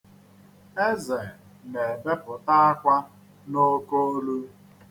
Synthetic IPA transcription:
e˦ze˨ | ne˨be˦pʊ˨ta˦a˦kʷa˦ | no˦ko˦lu˦

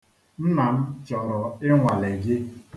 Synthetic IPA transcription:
n̩˦na˨m̩˦t͡ʃɔ˨ɾɔ˨ɪ˦ŋʷa˨le˨ɡɪ˦

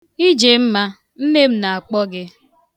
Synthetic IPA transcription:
i˦d͡ʒe˨m̩˦ma˦ | m̩˦me˦m̩˦na˨a˨k͡pɔ˦ɡɪ˦

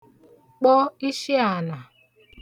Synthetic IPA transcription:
k͡pɔ˦i˦ʃi˦a˨na˨

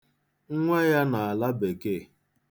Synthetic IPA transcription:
ŋ̩˦ŋʷe˦ja˦na˨a˨la˦be˨ɡe˦˨

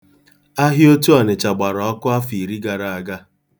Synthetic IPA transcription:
a˦ɦɪ˦o˦tu˦a˨ne˨t͡ʃa˨ɡ͡ba˨ɾɔ˨ɔ˦kʊ˦a˦fi˨ɾi˦ɡa˨ɾa˨a˨ɡa˦

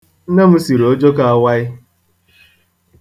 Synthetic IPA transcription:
na˦m̩˦si˨ɾo˦d͡ʒo˦ka˨a˦wa˦ɪ˦

